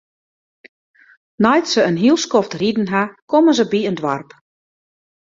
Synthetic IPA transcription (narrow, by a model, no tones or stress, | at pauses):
nɔjtsəənɦilˠskɔftridn̩ɦakomənzəbiəndʋarp